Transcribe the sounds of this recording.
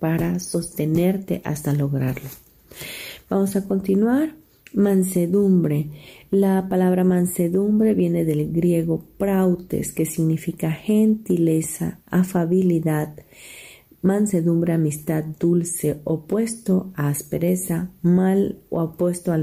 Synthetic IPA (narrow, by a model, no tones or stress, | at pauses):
paɾaso̞st̪e̞ne̞ɾt̪e̞̰ʔa̰st̪alo̞ɣɾaɾlo | b̥amo̞sako̞nt̪inwaɾ | manse̞ðumbɾe̞lapalaβɾamãnse̞ðumbɾe̞βje̞ne̞ðelɡɾje̞ɣo̞pɾawt̪ḛske̞siɣnifikaxent̪ile̞sa̰ːfaβiliðað | manse̞ðumbɾe̞amist̪ad̪̚d̪ulse̞opwe̞st̪oaːspeɾe̞samalo̰apwe̞st̪oa